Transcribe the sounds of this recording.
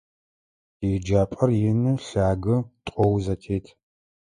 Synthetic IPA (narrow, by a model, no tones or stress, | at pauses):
iːd͡ʒaːpʼɐrjɪnɨɬaːɡɨtʼɔwzɐtʰeːtʰ